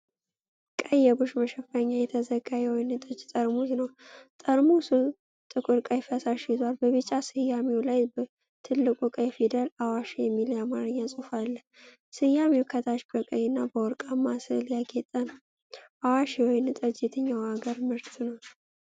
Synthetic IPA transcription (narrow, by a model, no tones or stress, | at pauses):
kʼəjːɛbɨʃməʃɛfaɲːajɛt̪ʰəzəɡajɛwɔjnɨt̪ʼəd͡ʒt̪ʼəɾmusnəwt̪ʼəɾmusɨ | t̪ʼɨkʼɨɾkʼajfəsaʃizwalbəβɨt͡ʃʼasɨjamewlajbə | t̪ʰɨlːɨkʼukʼəjɛfid̪əlawaʃjɛmːiljamaɾɨɲːasʼufalːə | sɨjːamewkʰət̪ʰaʃbəkʼəjɨnːabəwɔɾkʼamasɨljaɡet̪ʼən | ʔawaʃwɔjnɨt̪ʼɨd͡ʒjɛt̪ʰəɲːawaɡəɾmɨɾt̪ʰɨnəw